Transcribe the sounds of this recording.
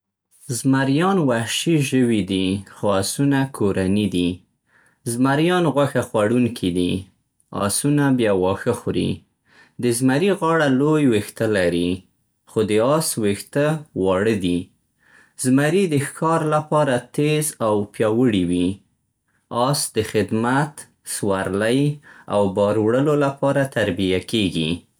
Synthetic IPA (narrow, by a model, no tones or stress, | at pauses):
zmaɾjɑnwahʃiʒəwid̪ixoɑsunakʰoɾanid̪i | zmaɾjɑnɣwaxaxwaɽuŋkʰid̪i | ɑ̰sunabjɑwɑxəxɾḭ | d̪əzmaɾiɣɑɽalojwext̪alaɾi | xod̪əɑswext̪awɑɽəd̪i | zmaɾid̪əxkɑɾlapɑɾat̪ezawpjɑwəɽiwi | ɑsd̪əxɪd̪mat̪ | swaɾlaja̰wbɑɾwɽəlolapɑɾat̪aɾbijakeɡḭ